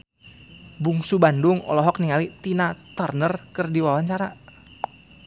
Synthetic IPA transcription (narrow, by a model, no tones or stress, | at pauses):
buŋsubandʊŋɔ̰lɔɦɔk̚niŋalit̪inat̪arnərkərdiwawaɲt͡ʃaɾa